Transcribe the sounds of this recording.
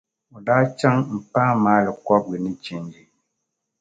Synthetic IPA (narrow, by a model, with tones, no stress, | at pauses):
u˨da˦t͡ʃa˦ŋm̩˨pãː˦maː˦lɛ˨kɔ˦p̚li˨ni˦t͡ʃi˦˨n˦d͡ʒi˨